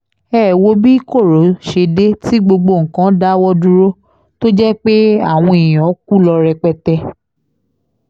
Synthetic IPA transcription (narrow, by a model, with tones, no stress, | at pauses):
ɛː˦˨wo˨˦bi˦ko˦˨ɾo˨˦ʃe˧de˦ti˦ɡ͡bo˧ɡ͡bo˧˨ŋ̩˨kã˨˦da˦wɔ˦du˦ɾo˦ | to˦d͡ʒɛ˦k͡pe˦a˦˨w̃ɔ̃˧e˨j̃ɔ̃˨˦k̚u˦lɔ˧ɾɛ˧k͡pɛ˧tɛ˧